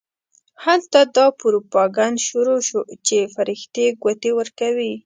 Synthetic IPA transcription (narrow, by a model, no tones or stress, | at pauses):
halt̪ad̪ɑpʊɾopɑɡand̪ʃuɾoʃot͡ʃefaɾɪxt̪jeɡat̪ewəɾkawi